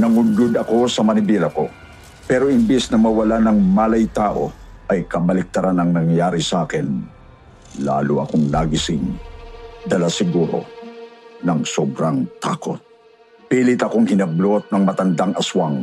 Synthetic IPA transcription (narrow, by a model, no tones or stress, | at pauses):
nɐŋʊɡʊd̪ɐko̞sɐmɐnɪbilɐko̞̰ | pɛɾo̞ʔɪmbɛsnɐmɐwɐlanɐŋmaːlɐjt̪aːʔo̞̰ | ʔɐjkɐbɐlɪk̚t̪ɐɾanɐŋnɐŋjaːɾisɐʔaːkɛn | la̰ːlʊʔɐ̰koŋlaɡisɪŋ | d̪ɐlasɪɡuɾo̰ | nɐŋsobɾaŋt̪a̰ːko̰t̪̚ | piːlɪt̪ɐko̞ŋhɪnɐblot̪̚nɐŋmɐt̪ɐnd̪aŋʔɐswaŋ